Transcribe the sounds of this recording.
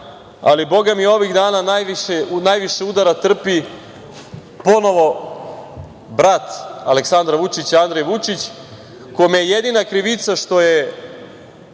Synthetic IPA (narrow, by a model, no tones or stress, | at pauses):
a̰libo̞ɡamio̞ʋiɣd̪aːnanajʋiʃeunajʋiʃeud̪aɾat̪r̩pi | po̞no̞ʋo̞ | bɾat̪aleksand̪ɾaʋut͡ʃit͡ɕand̪ɾejʋut͡ʃit͡ɕ | kojmejejed̪inakɾiʋit̪saʃt̪o̞je